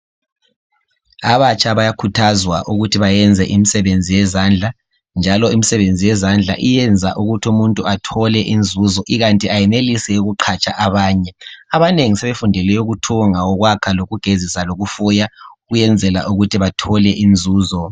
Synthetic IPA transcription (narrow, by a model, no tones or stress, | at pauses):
aβat͡ʃʼaβajakʰutʰazwaʔuɣutʰiβajɛnd͡zʱɛʔimisɛβend͡zʱijɛzand͡ɮʱa | nd͡ʒʱalɔimisɛβend͡zʱijɛzand͡ɮʱa̰ʔijɛnd͡zʱa̰ʔuɣutʰiumuntʼuatʰɔlɛʔind͡zʱuːzɔʔiɣantʼiajɛnelisɛuɣuǃʰat͡ʃʼaʔaβaːɲɛaβaneŋisɛβefundʱɛlɛjɔɣutʰuŋaɔɣwakʰaloɣuɡ̥ʱezisaloɣufujaɣujɛnd͡zʱɛla̰ʔuɣutʰiβatʰɔlɛʔind͡zʱuːzɔ